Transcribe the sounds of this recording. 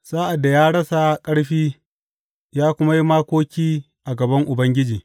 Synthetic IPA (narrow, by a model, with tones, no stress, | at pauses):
saː˦ʔa˨da˨jaː˦ɽɐ˦sa˨kʼɐ˦ɽɸiː˦ | jaː˦kʷʊ˦ma˦ji˦maː˦kʷoː˦kʲiː˦ | ʔa˨ɡɐ˨bɐ˦ŋʔʊ˨bɐ˦ŋɡʲɪ˦d͡ʒiː˨